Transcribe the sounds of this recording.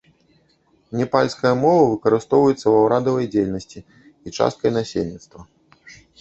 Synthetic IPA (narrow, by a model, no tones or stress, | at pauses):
nʲɛpalʲskɐjɐmɔvɐvɨkɐɾɨst̪ɔwvɐjɛt̪sːɐwawɾad̪ɐvɐjd͡zʲejʲlʲnɐsʲt͡sʲi | it͡ʂa̰st̪kɐjnasʲelʲnʲit̪st̪vɐ